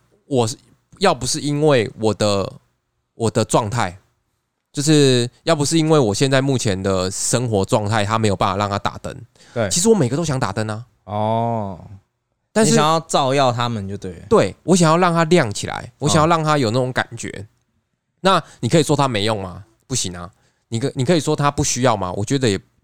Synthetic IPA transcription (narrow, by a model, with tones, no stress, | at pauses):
wɔ˨˩ | jɑ˥˩ʊpu˨˦ʂɻ̩˥˩i˦˥nwe˥˩ɪwɔ˨˩d̪ə˦ | wʔɔ˨˩d̪ə˦ʈ͡ʂwɑ˥˧ŋt̪ʰa˥˩ɪ | t͡ɕjo˥˧ʊʂ̬ɻ̩˥˩jɑ˥˩ʊp̬u˨˩ʂ̬ɻ̩˥˩i˦nwe˥˩ɪwɔ˨˩ɕjɛ˥˧nt͡sa˥˧ɪmu˥˩t͡ɕʰjɛ˨˦nd̪ə˨ʂə˦ŋxwɔ˧˥ʈ͡ʂwɑ˥˧ŋt̪ʰa˥˩ɪt̪ʰa˦˥me˧˥ɪjpa˥˩fa˨˩ɻɑ˥˩ŋt̪ʰa˥t̪a̰˨˩t̪ə̰˦ŋʰ | i˧˥ʂɻ̩˧˥wɔ˧˦me˨ɪɡə˦t̪o˥ʊɕjɑ˧˦ŋt̪a̰˨˩t̪ə˦na˨ | ɔ˨˩ | t̪a˥˧nʂjŋjɑ˥˧ʊt͡sɑ˥˧ʊjɑ˥˨ʊt̪ʰa˦mə˨nt͡ɕjo˥˧ʊt̪we˥˩ɪt̪we˥˩ɪwʔɔ˧˦ɕ̬jŋjɑ˥˧ʊlɑ˥˧ŋt̪ʰa˦ljɑ˥˨ŋt͡ɕʰi˨la̰˧˦ɪwɔ˧˦ɕŋjɑ˥˧lɑ˥˩ŋt̪ʰa˦jo˨˩ʊna˥˩o˧˦ŋka̰˨˩nt͡ɕɥɛ̰˧˥ | na˥˩ni˨˩kʰɤ˧˥i˨˩ʂwɔ˥t̪ʰa˦me˧˥ɪjo˥˩ŋma˨ | pu˥˩ɕi˨˩ŋa˦ | ni˨˩kni˨˩kʰɤ˧˥i˨˩ʂwɔ˥t̪ʰa˦pu˥˩ɕy˥jɑ˥˨ʊma̰˨wɔ̰˨˩t͡ɕɥɛ˧˦d̪ə˧jɛ˨˩